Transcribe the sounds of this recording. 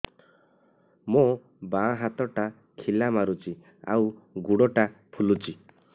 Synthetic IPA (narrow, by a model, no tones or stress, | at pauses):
mõ | baɦat̪ɔʈa | kʰilamaɾut͡ʃi | a̰wɡuɽɔʈapʰulut͡ʃi